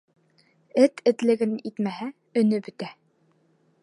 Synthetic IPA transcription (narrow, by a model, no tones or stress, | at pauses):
ɘt̪ʰɘ̆t̪lɘ̆ɡɘnit̪mæɦæ | ɵ̆nɵbɵ̆t̪æ